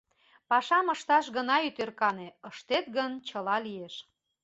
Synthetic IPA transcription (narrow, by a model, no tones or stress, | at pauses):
pɑʃɑməʃt̪ɑʃɣənɑyt̪erkɑneəʃt̪et̪̚ɡənt͡ɕəlɑlieʃ